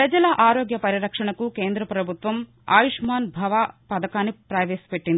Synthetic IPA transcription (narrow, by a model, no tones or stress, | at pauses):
pɾɐd͡ʒɐlɐʔaːɾoːɡjɐpɐɾiɾɐkʂɐɳɐkukeːnd̪ɾɐpɾɐbʱut̪ʋɐm | a̰ːjuʂmaːnbʱɐʋaːpɐd̪ɐkaːnːipɾaːʋeːsi̥peʈːind̪i